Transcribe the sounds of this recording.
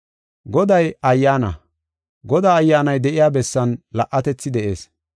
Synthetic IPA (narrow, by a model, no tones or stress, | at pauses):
ɡɔd̪ɐjɐjːaːnɐ̰ | ɡɔd̪aːjːaːnɐjd̪ɛʔɪjaːbɛsːɐnlɐʔːɐt̪ɛt͡sːɪd̪ɛʔe̞̰ːs